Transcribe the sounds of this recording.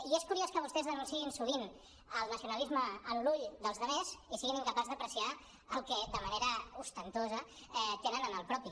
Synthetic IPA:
ieskuɾioskəβ̞ust̪ɛzðənunsiinsuβin | əlˠnəsiunəlizməːnluʎd̪əlˠzðəβezisiɣiniŋkəpazðəpɾəsia | əlˠkɛd̪əməneɾəust̪ənt̪ozə | ɛt̪enənənəlˠpɾɔpi

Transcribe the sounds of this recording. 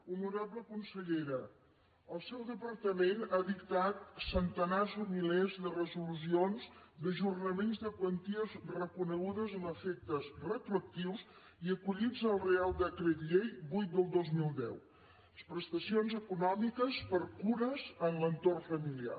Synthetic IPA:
unuɾaβləkunsəʎeɾə | əlˠsɛwðəpəɾt̪əmenaðikt̪at̪sənt̪ənazumilezðərəzulusionzd̪əʒurnəmenzðəkwənt̪iəzrəkunəɣuðəzənəfɛk̚t̪əzrət̪ɾuək̚t̪iws | iəkuʎid͡zəlˠrealˠd̪əkɾet̪ʎejbujt̪̚d̪əlˠd̪ozmilˠd̪ɛ̰w | spɾəst̪əsionzəkunɔmikəspəɾkuɾəzənlənt̪orfəmilia̰

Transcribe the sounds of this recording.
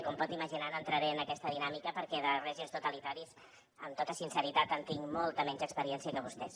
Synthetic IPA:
kɔmpɔt̪iməʒinanoənt̪ɾəɾeənəkɛst̪əðinamikəpəɾkɛðərɛʒimst̪ut̪əlit̪aɾiz | əmt̪ot̪əsinsəɾit̪at̪ənt̪iŋmɔlˠt̪əmɛɲd͡ʒəkspəɾiɛnsiəkəβust̪ɛs

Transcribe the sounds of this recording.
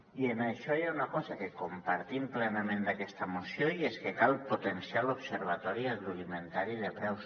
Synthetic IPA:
ienaʃɔeaunakɔzakekumpaɾt̪implɛnamẽnd̪akɛst̪əmusjoieskekalˠpot̪ensialupseɾβ̞at̪ɔɾiaɣɾuðiment̪aɾiðepɾɛws

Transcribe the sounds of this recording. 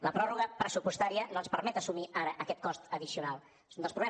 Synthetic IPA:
ləpɾɔruɣ̞əpɾəsupust̪aɾiənoənspəɾmɛt̪əsumiʔaɾəʔəkɛt̪̚kɔst̪əðisiunalˠ | sund̪əlspɾuβlɛ

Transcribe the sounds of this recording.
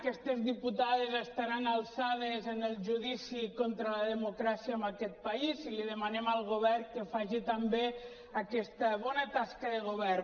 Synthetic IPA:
kɛst̪ezðiput̪aðezəst̪aɾanalˠsaðezənəlˠʒuðisikont̪ɾələðəmukɾasiəəmbakɛt̪̚paiziliðəmanɛmalˠɣoβɛrkəfaʒit̪ambe | akɛst̪əβɔnət̪askəðəɣ̞oβɛr

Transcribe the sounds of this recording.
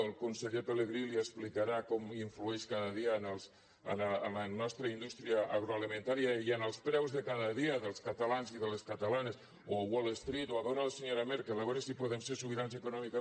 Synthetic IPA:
lˠkunseʎepeleɣɾiliesplikaɾakɔmiɱfluɛʃkaðəðianəlˠs | ə̰naːlanɔst̪ɾəind̪ust̪ɾiaaɣɾoalimẽnt̪aɾjaianəlˠspɾɛwzðekaðəðiaðəlˠskat̪alanziðəleskat̪alanes | owolest̪ɾit̪oaðonalaseɲoɾameɾkaləɣ̞ɔɾasipoðemseɾsuβiɾansekunɔmika

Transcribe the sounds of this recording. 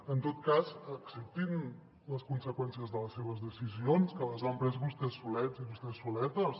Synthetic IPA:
ənt̪ot̪kazəksəp̚t̪in | ləskunsəkwɛnsiəzðələsːeβəzðəsizionskələzampɾɛzβust̪ɛsulɛt̪ziβust̪ɛsulɛt̪əs

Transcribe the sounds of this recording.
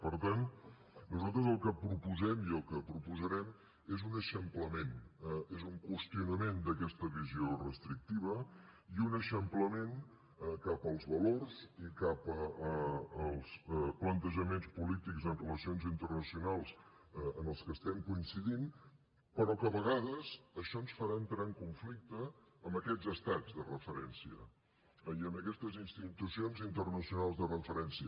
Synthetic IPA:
pəɾt̪an | nuzalˠt̪ɾəzəlˠkəpɾupuzɛmiəlˠkəpɾupuzəɾɛm | ezunəʃəmpləmenɛezuŋkwəst̪iunəmend̪əkɛst̪əβiziorəst̪ɾik̚t̪iβ̞əiunəʃəmpləmen | ɛkapəlˠzβəlorzikapəəːlˠsplənt̪əʒəmenspulit̪ikzənrələsionzint̪ərnəsiunalˠs | ənəlˠskəst̪ɛmkuinsiðin | pəɾɔkəβəɣaðəzəʃɔənsfəɾaənt̪ɾaəŋkuɱflik̚t̪əːmbəkɛd͡zzəst̪azðərəfəɾɛnsiə̰ | iəməkɛst̪əzinst̪it̪usionzint̪ərnəsiunalˠzðərəfəɾɛnsiə

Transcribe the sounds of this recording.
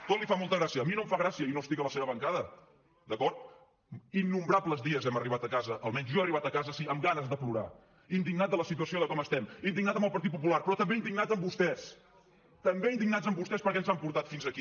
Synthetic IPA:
t̪ot̪lifamɔlˠt̪əɣɾasiəːminomfaɣɾasiəinost̪ikələseβəβəŋkaðə | d̪əkɔɾt̪ | inːumbɾapləzðiəzɛməriβ̞at̪əkazəʔəlˠmɛɲzʒɔeriβat̪əkazəsiəmɡanəzðəpluɾa̰ | ind̪iɡnat̪̚ələsit̪̬uəsioðəkɔməst̪ɛmind̪iŋnat̪əmbəlˠpəɾt̪it̪̚pup̬ularpɾɔt̪əmbeind̪iɡnad͡zəmbust̪ɛs | t̪əmbeind̪iɡnad͡zəmbust̪ɛspəɾkɛnzampuɾt̪at̪finzəki

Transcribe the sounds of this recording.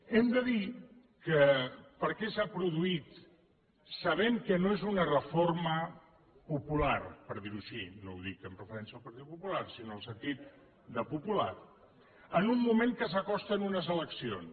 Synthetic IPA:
ɛmd̪əði | kəpəɾkɛsapɾuðuit̪ | səβɛmkənoezunərəformə | pupularpəɾðiɾuʃinowðikəmprəfəɾɛnsəəlˠpəɾt̪it̪̚pupularsinoəlˠsənt̪it̪̚ | d̪əpupula̰t | ənumːumeŋkəs̬əkɔst̪ənunəzələksion

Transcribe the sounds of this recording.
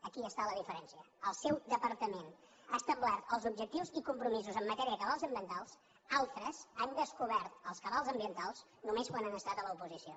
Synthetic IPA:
əkiəst̪aləðifəɾɛnsiə | əlˠsɛwd̪əpəɾt̪əmen | ast̪əmblat̪əlˠzub̚ʒək̚t̪iwzikumpɾumizuzəmːət̪ɛɾiəkəβalˠzəmbiənt̪alˠs | alˠt̪ɾəzand̪əskuβɛɾt̪əlˠskəβalˠzəmbiənt̪alˠz | numeskwananəst̪at̪ələupuzisio

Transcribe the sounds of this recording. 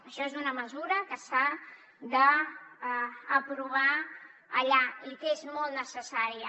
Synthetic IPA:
əʃɔezunəməzuɾəkəsa | ðə | pɾuβ̞a | əʎaikezmɔlˠt̪nəsəsaɾiə

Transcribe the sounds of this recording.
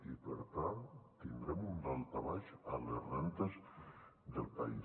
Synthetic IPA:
ipə̰ɾt̪at̪ind̪ɾɛmund̪alˠt̪aβaʃa̰lerent̪ezd̪əlˠpa̰i

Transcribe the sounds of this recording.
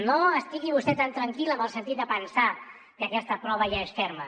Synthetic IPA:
noəst̪iɣiβust̪ɛt̪ant̪ɾəŋkiləmbəlˠsənt̪it̪̚d̪əpənsa | kəkɛst̪əpɾɔβəʒaesfɛɾmə

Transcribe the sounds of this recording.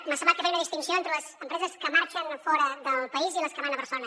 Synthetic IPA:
məsəmat̪k̪əfɛjnəðist̪insioent̪ɾələzəmpɾɛzəskəmaɾt͡ʃənfɔɾəðəlˠpɐiziləskəmanəpəɾsonə

